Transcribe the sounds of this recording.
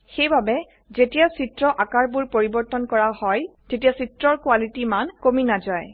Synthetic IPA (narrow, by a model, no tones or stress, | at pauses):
xejbabɛ | zetijasitɹɔʔakaɹbuɹpoɹibɔɹtɔnkɔɹahɔjtetijasitɹɔɹkwalitimankominazaj